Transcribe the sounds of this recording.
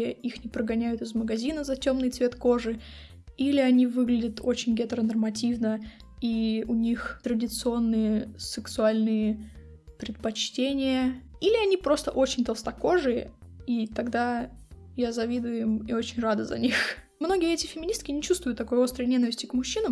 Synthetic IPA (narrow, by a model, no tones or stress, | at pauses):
jəixnʲɪpɾəɡɐnʲæjʊt̪ɨzməɡɐzʲinəzɐtʲo̞mnɨjt̪svʲet̪ko̞ʐɨ | ilʲɪɐnʲivɨɡlʲɪdʲət̪ʰo̞t͡ɕɪnʲɡʲɛt̪ɾənərmɐtʲivnə | iʊnʲixt̪ɾədʲɪt̪sɨo̞nːɨjəsɨksʊalʲnɨjə | pɾʲɪt̪̚pɐt͡ɕtʲenʲɪjə | ilʲɪɐnʲipɾo̞st̪əʔo̞t͡ɕɪnʲt̪əlˠst̪ɐko̞ʐɨjəit̪ɐɡd̪a | jazɐvʲid̪ʊjɪmio̞t͡ɕɪnʲrad̪əzɐ̰nʲix | mno̞ɡʲɪjəɛtʲɪfʲɪmʲɪnʲist̪̚kʲɪnʲɪt͡ɕust̪vʊjʊt̪ːɐko̞jo̞st̪ɾəjnʲenəvʲɪsʲtʲɪkmʊɕːinəm